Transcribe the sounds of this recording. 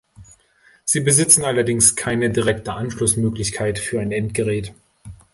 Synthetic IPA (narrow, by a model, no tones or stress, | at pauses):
z̥iːbəzɪt͡sn̩alɐdɪŋskʰaɪnədiʁɛktəʔanʃlʊsmøːklɪçkʰaɪtfyːɐaɪnɛntɡ̥əʁɛːt